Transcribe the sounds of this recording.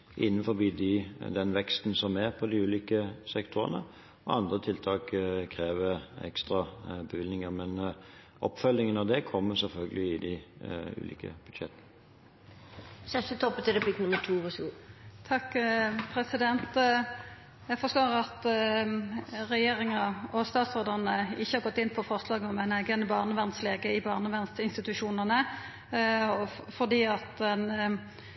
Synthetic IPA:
ʔɪ̰nːənfɔbiːd̪ɪd̪ɛnʋɛkst̪n̩sɔmæʁpʰɔd̪ɪʉːliːkəsɛkt̪ʰʊʁə̰nə̰ | ɔɑnd̪ʁət̪ʰɪlt̪ʰɑːkkʰɾeːʋəɛ̰kst̪ʁɑbəʋɪlnɪŋəmɛn | ʔɔpːfœlːɪŋənɑʋd̪ɛkʰɔmːəsɛlfœlɡəlɪɪd̪ɪʉ̰ːlḭːkə̰b̥ʉd̪̥ʃɛt̪ːən | sɛst̪ət̪ʰɔpːət̪ʰɪɾəpʰɪk̪nʊməʈʰuːʋɑsɡut̪ʰɑkːpʰɾɛsɪd̪ɛnt̪ | jæɡfɔʁst̪oːʁɑt̪ | ʁɛjeːɾɪŋɑɔst̪ɑːt̪sɔʁd̪əʁnəɪçəhɑɾɡɔt̪ːɪnːpʰɔfɔʁslɑːɡəɔmæɪnæɡənəbɑːʁnəʋæʁnsleːɡəɪbɑːʁnəʋɛnsɪnst̪ɪt̪ʉʃuːnəʁnə | fɔʁd̪iːɑt̪ɛn

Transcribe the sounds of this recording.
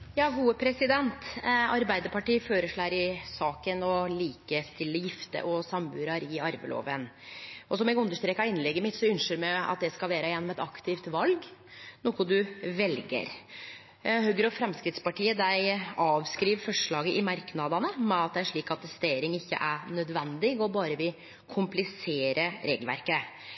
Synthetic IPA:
jɑːɡuːəpʰɾɛsɪd̪ɛnt̪ɑɾbæɪd̪əɾpʰɑʈiːføːɾəʂɭæːɾɪsɑːkənɔliːkəst̪ɪlːəjɪft̪ə̰ʔɔsɑmbʉːɾɑɾɪɑɾʋə̰lo̰ːʋənʔɔsɔmɛɡʉnd̪əʂt̪ɾeːkɑɪnlɛɡːəmɪt̪sɔʉnʃəɾmæɪɑ̰t̪̚d̪ɛskɑlʋæːɾəjɛnːɔmɛt̪ɑkt̪ʰɪft̪ʋɑlɡ | nuːkʊd̪ʉʋɛlɡə̰ɾ | hœɡəɾɔfɾɛmskɾɪt̪spɑʈiːəd̪æɪɑːʋskɾiːʋfɔʂɭɑːɡəʔɪmɑɾknɑd̪ɑnəmɛɑt̪̚d̪ɛʂɭiːkɑt̪t̪ʰːɛst̪eːɾɪŋɪçːə̰ʔænœd̪ʋɛnd̪ɪɡɔbɑːɾəʋɪl | kʰʊmplɪseːɾəɾeːɡlʋæ̰ɾkə

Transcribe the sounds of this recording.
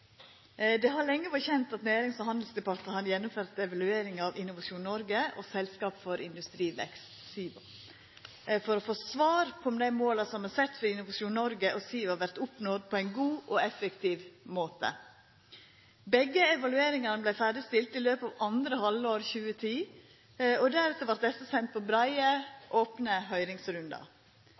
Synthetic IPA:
d̪ɛɦɑɭɛŋːəʋɑçɛnt̪ɑt̪næːɾɪŋsɔhɑnd̪l̩sd̪ɛpɑt̪ɑhɑnjɛnːʊmføːɾt̪ɛʋɑlʉeːɾɪŋɑʋɪnːʊʋɑʂuːnnɔɾɡəʔɔ̰sɛlskɑːpfɔɾɪnd̪ʉst̪ɾiːʋɛ̰kst̪siː | fɔɾɔfoːsʋɑːɾpʰɔɔmd̪æɪmoːlɑsɔmhɑsɛt̪ːfɔɾɪnʊʋɑʂuːnnɔɾɡəʔɔsiːhɑɾʋæɾt̪ʊpnoːd̪̚pʰɔæɪnɡuːʔɔɛfəkt̪iːʋmoːt̪ə̰ | bɛɡəɛʋɑlʉeːɾɪŋɑɾnəblæɪfæːɖɪst̪ɪlt̪ɪløːpɑːʋɑnd̪ɾəhɑlːoːɾçʉːət̪ʰiː | ɔd̪æɾʉːt̪əɾʋɑɾt̪̚d̪ɛsəsɛnt̪̚pʰɔbɾæɪəʔoːpnəɦœʏɾɪŋsɾʉnd̪ɑ̰

